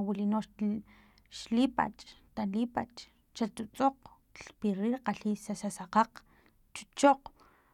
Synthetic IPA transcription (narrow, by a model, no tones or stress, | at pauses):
wilinoʃ | ʃlipa̰t͡ʃʼt̪alipat͡ʃʼ | t͡ʃat̪ut͡sʼoq | ɬpiɾiɾqaɬisasasaqaq͡χ | t͡ʃu̥t͡ʃoq͡χ